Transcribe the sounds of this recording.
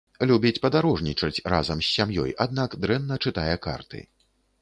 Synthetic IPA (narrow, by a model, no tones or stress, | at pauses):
lʲubʲit͡sʲpɐd̪aɾɔʐnʲit͡ʂɐt͡sʲra̰zɐmsʲːamjɔ̰jad̪nakd̪ɾɛnːɐt͡ʂɨt̪ajɛka̰rt̪ɨ̰